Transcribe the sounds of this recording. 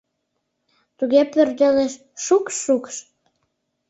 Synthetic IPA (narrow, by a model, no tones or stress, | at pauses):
t̪uɣepørd̪eleʃ | ʃukʃːukʃ